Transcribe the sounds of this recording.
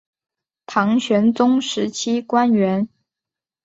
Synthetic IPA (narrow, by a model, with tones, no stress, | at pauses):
t̪ʰɑ˧˥ŋɕɥɛ˧˥nt͡sʊ˥ŋʂɻ̩˧˥t͡ɕʰi˥kwa˥nɥɛ˧˥n